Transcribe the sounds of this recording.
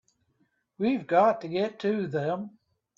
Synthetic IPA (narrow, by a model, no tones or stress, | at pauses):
wivɡɑtʰɨɡɛtʰɨðə̃m